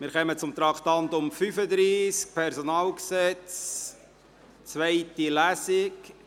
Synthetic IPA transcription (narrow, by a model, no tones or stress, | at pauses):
mɪɾχœmət͡sʊmt̪ɾɑkʰtɑnt̪ʊmfyfəd̪ɾiːsk̚pʰɛɾsonɑːlksɛt͡s | t͡svæɪtilæsɪk